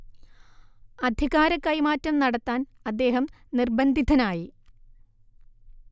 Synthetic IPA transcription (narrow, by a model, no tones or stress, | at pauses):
ɐd̪ʱiɣaːɾɐkːɐjmaːtːɐmnɐɽɐt̪ːaːnɐd̪ːe̞ːɦɐmnirbɐnd̪ʱid̪ʱɐnaːji